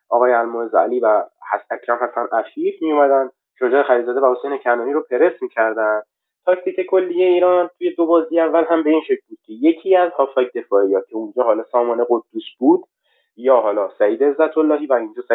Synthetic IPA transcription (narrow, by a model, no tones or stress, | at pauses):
ʔɒːɣɒːjeælmuːnezæ̰liːvæhæsæcʰɾæmhæt̪ʰːænʔæfifmijomæd̪ænd̪ | ʃod͡ʒɒːexæɾilzɒːd̪evæho̞se̞jnecʰænuːniɾopʰe̞ɾe̞st̪micʰæɾd̪ænd̪̥ | t̪ʰɒcʰt̪icʰe̞kʰo̞lːijeiːɾɒːnt̪ʰuje̞d̪o̞bɒːzijeævːælɦæmbe̞iːnʃe̞cʰlbuːd̪̥kcʰeje̞cʰiːæzhɒːfhɒːjed̪e̞fɒːijɒːt̪̚cʰeund͡ʒɒːɦɒːlɒːsɒːmɒːneɣo̞d̪ːusb̥uːd̪̥ | jɒːɦɒːlɒːsæiːd̪eːzːæt̪ʰolːɒːɦiːvæind͡ʒɒːsæ